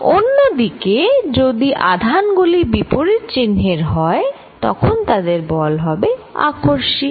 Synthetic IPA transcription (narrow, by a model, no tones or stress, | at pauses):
onːod̪iked͡ʑod̪iʔa̰d̪ʱanɡulibipoɾiɾt͡ɕinɦeɾɦɔe | t̪ɔ̰kʰont̪ad̪eɾbɔlɦɔbea̰kʰoɾʃi